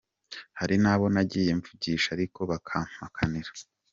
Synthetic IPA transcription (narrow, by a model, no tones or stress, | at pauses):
haɾinaːβo̞naɟiːje̞ɱvuɟiːʃaɾiko̞βakʰaːm̥akʰaniɾḁ